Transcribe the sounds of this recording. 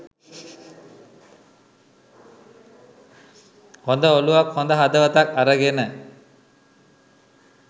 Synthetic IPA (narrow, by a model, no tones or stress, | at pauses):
hond̪əoluʋakhond̪əɦad̪əʋət̪akaɾəɡenə